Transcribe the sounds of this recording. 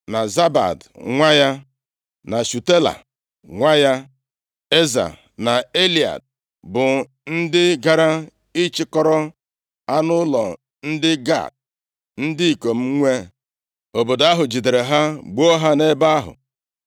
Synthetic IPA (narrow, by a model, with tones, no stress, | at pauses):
na˨za˦ba̰˨dŋʷa˦ja˦ | na˨su˨te˦la̰˨ | ŋʷa˦ja˦ | e˦za̰˨ | na˨e˦li˨a̰˨d̚ | bʊ˨ | n̩˦dɪ˦ɡa˨ɾa˦ | i˦t͡ʃɪ˦kɔ˦ɾɔ˦ | a˦nʊ˦lɔ˨ | n̩˦dɪ˦ɡa̰˦˨t̚ | n̩˦dɪ˦i˨ko˨m̩˦ŋʷe˦ | o˨bo˨da˦ɦʊ˨d͡ʒi˨de˨ɾe˨ɦa˦ɡ͡bo˦ɦa˦ne˦ba˦a˦ɦʊ̰˨